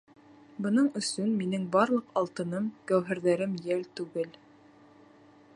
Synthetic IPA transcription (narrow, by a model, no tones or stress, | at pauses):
bɤ̆nɤɴɵ̆sɵnminɘŋbɑɾlˠɤ̆qɑlˠt̪ɤ̆nɤmkæwɦɘ̆ɾðæɾɘmjælt̪ʉɡɘl